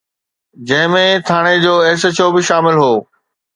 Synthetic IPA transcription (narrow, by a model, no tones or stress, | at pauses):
d͡ʑɐ̃ɦɪ̃mẽt̪ʰaːɽ̃ed͡ʑoːeːs̬ət͡ɕobɪʃaːmɪlɦoː